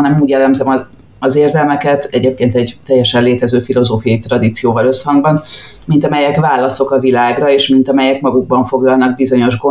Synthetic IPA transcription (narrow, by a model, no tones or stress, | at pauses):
ɒnɛmuːɟɛlɛmzɛmɒ | ɒzeːrzɛlmɛkɛt̪ɛɟeːp̚keːnt̪ɛɟt̪ɛjːɛʃɛnleːt̪ɛzøːfilo̞zoːfijɒjit̪rɒd̪iːt̪sijoːvɒlø̞shɒŋɡbɒn | mint̪ɒmɛjɛkvaːlːɒso̞kɒvilaːɡrɒeːʃmint̪ɒmɛjɛkmɒɡuɡ̚bɒɱfo̞ɡlɒlnɒɡ̚bizo̞ɲo̞ʒɡo